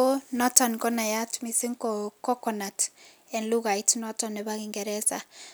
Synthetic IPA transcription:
o˦nɔ˦tɔ˨nkɔ˦na˨ja˦tmi˨sɪ˦ŋkɔkɔ˦kɔ˨na˨t | ɛ˨nlu˦ɣa˨itnɔ˦tɔ˨nɛ˨ba˦kɪ˨ŋɡɛ˨ɾɛ˦sa̰˨

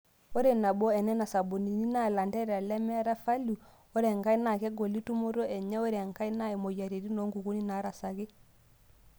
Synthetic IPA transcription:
o˦ɾe˨na˨bɔ˦ɛ˨nɛ˦na˨sa˨bo˨ni˨ni˦na˦˨la˨ndɛ˦ɾa˨lɛ˦mɛ˦ɾa˦fa˦lu˨ | o˦ɾɛ˨ŋɡa˦i˦na˨kɛ˦ɡo˨li˦tu˦mo˦ɾo˦ʔɛ˨ɲɛ˦o˦ɾɛ˨ŋka˦i˦na˦e˨mo˨ja˨ɾe˨ɾi˦nɔ˨˦ŋɡu˨ɡu˦ni˦na˨˦ɾa˨sa˨ɡe˦

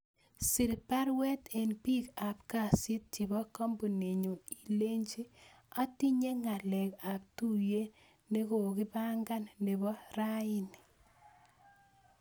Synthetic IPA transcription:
si˨ɾpa˦ɾwɛ˦te˨npi˦ka˨pka˨sɪ˦t̚t͡ʃi˨bɔ˦kɔ˦mbu˨ne˨ɲo˨i˨le˦ɲd͡ʒi˦ | a˦ti˦ɲe˦ŋa˨lɛ˨ka˨p̚tu˦˨je˦ | ne˦ko˨kɪ˦ba˦ŋɡa˦nːe˨bɔ˦ra˦ɪ˦ni˨

